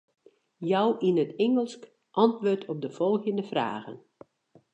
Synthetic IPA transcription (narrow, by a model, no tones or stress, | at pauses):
jɔwʔinətɛŋəlˠsk | ʔɑntʋoːtʰɔp̚dəfɔlˠɣjəndəfra̰ːɣə̰n